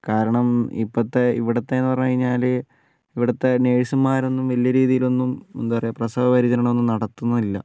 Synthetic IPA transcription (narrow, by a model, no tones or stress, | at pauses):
kaːɾɐɳɐmḭpːɐt̪ːe̞ḭʋiɽɐt̪ːeenːɨpɐrɐjːkɐɻiɲːaːl | iʋiɽɐt̪ːe̞neːɻisɐmːaːɾo̞nːumʋɐlijɐɾiːðijilo̞nːumond̪upɐrɐjɐprɐsɐbɐpɐɾid͡ʑɐɾɐɳo̞nːumnɐɽɐt̪ːunːɐðilːɐ